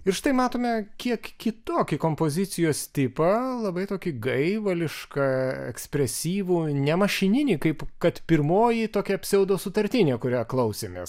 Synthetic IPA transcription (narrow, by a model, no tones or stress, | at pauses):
ɪɾʃt̪ɐɪmɑːt̪oːmʲɛkʲiɛkkʲɪt̪oːkʲikoːmpoːzʲɪt̪sʲɪjoːst̪ʲɪpɐlˠɐbɐɪt̪oːkʲɪɡɐɪʋɐlʲɪʃkɐɛ̰ksʲpʲɾʲɛsʲiːʋuːnʲɛmɐʃʲɪnʲɪnʲiːkɐɪpkɐt̪pʲɪɾmoːjit̪oːkʲɛɐpʲsʲɛʊd̪oːsʊt̪ɐɾʲt̪ʲɪnʲeːkʊɾʲæːklˠɐʊsʲeːmʲḛːs